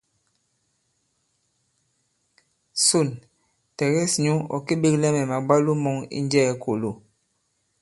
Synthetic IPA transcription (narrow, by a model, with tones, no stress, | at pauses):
su˦˨n | tɛ˨ɣɛ˦sɲu˦ɔ̰˨ki˦ɓi˦klɛ˦mɛ˨ma˨ɡ͡ba˦lu˦mɔ˦ŋḭ˦nd͡ʒɛ˦˨˦ko˨lo˦˨